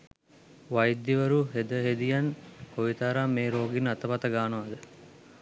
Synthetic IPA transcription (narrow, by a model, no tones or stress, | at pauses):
ʋɐjd̪ːiʋɐɾuɦed̪əɦed̪ijɐnhoʋit̪aːɾaːmeːɾoːɡinɐt̪ɐpɐt̪ɐɡaːnəʋɐd̪ə